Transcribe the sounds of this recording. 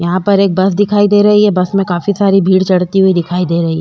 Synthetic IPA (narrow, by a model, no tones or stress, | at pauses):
jɐɦãpɐɾeːk̚bɐsd̪ɪkʰaːid̪eːɾɐɦiɦɛbɐsmẽkaːfisaːɾibʱiːɽt͡ʃɐɽt̪iɦʊid̪ɪkʰaːid̪eːɾɐɦiɛ